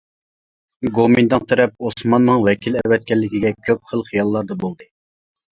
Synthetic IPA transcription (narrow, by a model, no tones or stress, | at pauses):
ɡomind̪ɑŋt̪ʰɛɾɛp̚osmɑnːɨŋwɛkʲʰilɛwɛt̪̚kʲɛlːɪkʲiɡʲɛkʲʰøpχəlˠχijɑlˠːɑɾd̪ɑbolˠd̪ɨ